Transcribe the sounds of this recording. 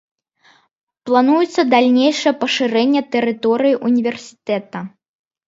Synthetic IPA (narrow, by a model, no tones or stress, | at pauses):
plˠanujut̪sːɐd̪alʲnʲejʂɐjɛpɐʂɨɾɛnʲːɛt̪ɛɾɨt̪ɔɾɨjiʔunʲivʲɛrsʲi̥t̪ɛt̪ɐ